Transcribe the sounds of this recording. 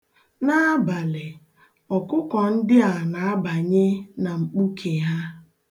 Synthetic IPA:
na˦ba˨lɪ˨ | ɔ˨kʊ˦kɔ˨n̩˦dɪ˦a˨na˨a˦ba˨ɲɪ˦na˨ŋ͡m̩˨k͡pu˦kʰe˨ja˦

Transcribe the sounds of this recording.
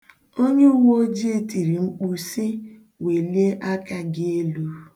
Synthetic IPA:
o˦ɲe˦u˦wo˦d͡ʒi˦e˦˨ti˨ɾi˨ŋ͡m̩˦k͡pu˦sɪ˦ | we˨li˦e˦ʔa˦ka˦ɡɪ˦e˦lu˦

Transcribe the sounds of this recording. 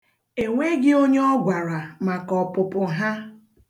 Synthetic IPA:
e˨ŋʷe˦ɡɪ˦o˦ɲe˦ɔ˦ɡʷa˨ɾa˨ma˨kɔ˨pʊ˨pʊ˨ɦa˦

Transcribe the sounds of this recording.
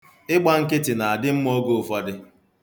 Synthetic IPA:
ɪ˦k͡pa˦ŋ̩˦kɪ˦tɪ˨na˨a˨dɪ˦m̩˦mo˦ɡo˦˨fɔ˦dɪ˦

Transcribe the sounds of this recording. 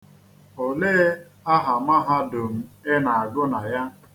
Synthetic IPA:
o˨leː˦ | a˦ɦa˨ma˦ɦa˦do˨m̩˨e˦na˨a˨ɡʊ˦na˨ja˦

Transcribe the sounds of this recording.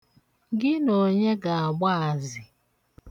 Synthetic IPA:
ɡɪ˦no˨ɲe˦ɡa˨a˨ɡ͡ba˦a˨zɪ˨

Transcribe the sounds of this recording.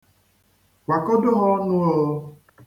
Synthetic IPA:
wa˨ko˦do˦ɦɔ˦nũ˦o˦˨o˦

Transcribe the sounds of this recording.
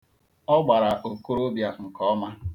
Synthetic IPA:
ɔ˦ɡ͡ba˨ɾa˨ʔo˨ko˦ɾo˦bja˨ŋ̩˨kɔ˦ma˦

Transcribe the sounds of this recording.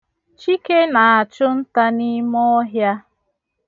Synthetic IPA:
t͡ʃi˦ke˦na˨a˨t͡ʃʊ˦n̩˦ta˦ni˦mɔ˦ɦja˦

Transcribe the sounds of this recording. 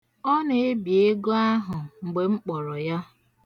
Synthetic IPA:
ɔ˦ne˨e˦bi˨e˦ɡo˦a˦ɦʊ˨ŋ͡m̩˨ɡ͡be˨ŋ͡m̩˦k͡pɔ˨ɾɔ˨ja˦

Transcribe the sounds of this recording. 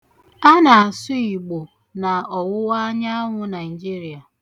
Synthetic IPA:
a˦na˨a˨sʊ˦i˨ɡ͡bo˨ | na˨ɔ˨wʊ˦wa˦ɲa˦a˦ŋʷʊ˦na˨i˨d͡ʒi˦ɾi˨a˨

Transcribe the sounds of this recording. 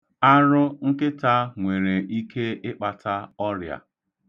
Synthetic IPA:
a˦ɾʊ˦ŋ̩˦kɪ˦ta˦ŋʷe˨ɾe˨i˦kʰe˦ɪ˦k͡pa˨tʰa˦ɔ˦ɾja̰˨

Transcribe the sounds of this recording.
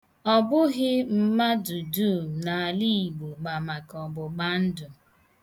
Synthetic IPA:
ɔ˨bʊ˦ɣɪ˦m̩˦ma˦du˨du˦˨na˨a˨li˦˨ɡ͡bu˨ɡ͡ba˨ma˨kɔ˨bʊ˨ɡ͡ba˦n̩˦dʊ˨

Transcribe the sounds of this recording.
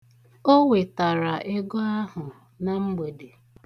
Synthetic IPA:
o˦we˨ta˨ɾa˨ʔɪ˦ɡɔ˦a˦ɦʊ˨ | na˨ŋ͡m̩˦ɡ͡be˨de˨

